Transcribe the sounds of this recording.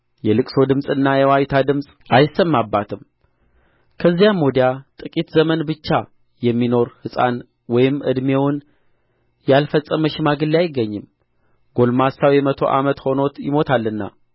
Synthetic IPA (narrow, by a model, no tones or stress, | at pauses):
jɛlɨkʼso̞d̪ɨmsʼɨnːajɛwajt̪ʰad̪ɨmsʼʔajsəmːabːat̪ʰɨm | kʰəzːijamːod̪ijat̪ʼɨkʼit̪zəmənbɨt͡ʃːa | jɛmːino̞ɾhɨsʼa̰n | wɔjɪmːʔɨ̰d̪mewʊn | jalfəsʼːəməʃɪmaɡɨlːiajɪɡːəɲːɨm | ɡ̥o̞lmasawjɛmət̪ʰo̞̰ʔa̰mət̪ho̞no̞t̪jɪmo̞t̪ʰalːɨnːa̰